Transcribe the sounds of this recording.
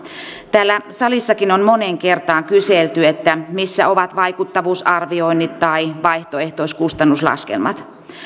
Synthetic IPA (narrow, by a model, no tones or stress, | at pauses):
t̪æːlːæsɑlisːɑkinonmo̞neŋke̞rt̪ɑːŋkyselt̪yet̪ːæmisːæo̞ʋɑt̪ʋɑikut̪ːɑʋuːsɑrʋio̞inːit̪tɑiʋɑiht̪oe̞ht̪oiskust̪ɑnːuslɑ̰skḛlmɑ̰t̪